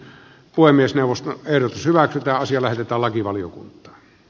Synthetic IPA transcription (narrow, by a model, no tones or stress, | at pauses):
puemːˑiesneˑuʋˑost̪oeˑirot̪ushyʋæksyt̪æːɑsijɑlæhet̪et̪ˑæːllɑkiʋɑlijo̰kṵnt̪ˑɑ̥ː